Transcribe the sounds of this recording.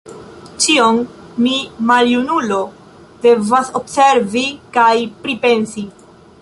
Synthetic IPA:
t͡ʃionmimaljunulo̞ | de̞vaso̞bse̞ɾvikajpɾipe̞nsi

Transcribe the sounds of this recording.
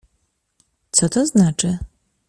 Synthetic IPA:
t̪sɔt̪ɔznat͡ʂɘ

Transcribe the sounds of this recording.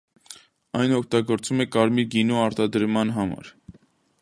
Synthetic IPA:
ɑjnɔkʰt̪ɑɡɔɾt͡sumɛkɑɾmiɡinuɑɾt̪ɑd̪əɾmɑnɦɑmɑ̰ɾ

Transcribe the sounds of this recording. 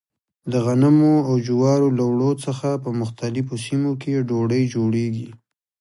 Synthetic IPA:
d̪əɣanamoawd͡ʒuwɑɾolawɽot͡səxapəmʊxt̪alɪfosimokeɖoɽəjd͡ʒoɽeɡi

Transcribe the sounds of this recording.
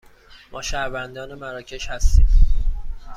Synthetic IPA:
mʔɒːʃæɾvænd̪ɒːnemæɾɒːcʰe̞ʃhæst̪ḭːm

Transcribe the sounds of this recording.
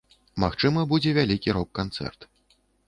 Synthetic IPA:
maxt͡ʂɨmɐbud͡zʲɛvʲalʲikʲiɾɔkːant̪sɛ̰rt̪

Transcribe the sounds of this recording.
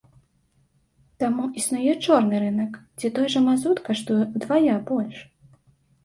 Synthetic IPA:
t̪amuʔisnujɛt͡ʂɔrnɨɾɨnɐkd͡zʲit̪ɔjʐɐmazut̪kaʂt̪ujd̪vajabɔlʲʂ

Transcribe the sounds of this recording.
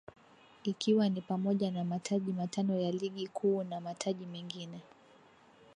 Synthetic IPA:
ikʰiwanipamɔʄanamatʰaʄimatanɔjaliɠikʰuːnamatʰaʄimɛŋɡinɛ

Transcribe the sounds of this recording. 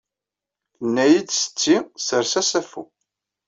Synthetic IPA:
θənːæjid̪sə̥t͡sːisəɾsæsæfṵ

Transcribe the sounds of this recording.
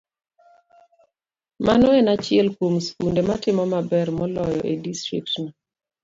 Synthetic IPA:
manɔenat͡ʃɪɛlkwomskundematɪmɔmabɛrmɔlɔjɔ̰ʔedistɾḭk̚tnɔ

